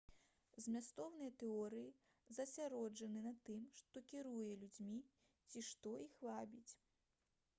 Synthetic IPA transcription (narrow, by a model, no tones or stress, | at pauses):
zʲmʲast̪ɔwnɨjɐt̪ɛɔɾɨji | zɐsʲaɾɔd͡ʐɐnɨnat̪ɨmʂt̪ɔkʲiɾujɛlʲud͡zʲmʲi | t͡sʲiʂt̪ɔixvabʲit͡sʲ